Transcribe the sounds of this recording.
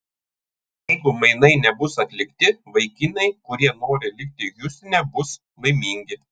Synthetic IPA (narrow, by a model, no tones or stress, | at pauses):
jɛɪɡʊmɐɪnɐɪnʲɛbʊsɐt̪ʲlʲɪkt̪ʲɪʋɐɪkʲɪnʲɐɪkʊɾʲiɛnoːɾʲɪlʲɪk̚ʲt̪ʲɪjʊsʲt̪ʲɪnʲɛbʊs | mɐɪmʲɪŋʲɡʲɪ